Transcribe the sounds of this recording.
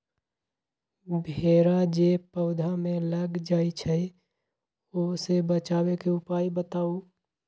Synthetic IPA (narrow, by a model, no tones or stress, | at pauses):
bʱeːɾad͡ʒepəʊd̪ʱamẽləɡd͡ʒaːit͡ʃʰə | osebət͡ʃaːwekeʊpaːibət̪aːu